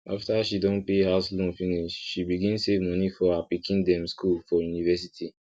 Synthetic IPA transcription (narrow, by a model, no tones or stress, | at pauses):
ʔaftaʃidɔ̃npehaslɔ̃nfĩniʃʃibiɡĩnsevmɔ̃nifɔapikĩndɛ̃mskulfɔjunivɛs̬itʰi